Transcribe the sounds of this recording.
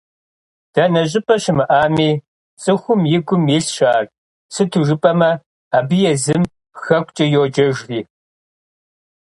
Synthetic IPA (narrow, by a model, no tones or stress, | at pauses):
d̥ɐnɐɕ̬ʼɪpʼɐɕɪmɨʔaːmiː | t͡sʼɨxʷʊmjɪɡʷʊmjɪsɕaːr | sɨtʰuʒɨpʼɐmɐ | abɨjɛzɨm | xɐkʷʼt͡ʃʼɐjoːd͡ʒɐʒriː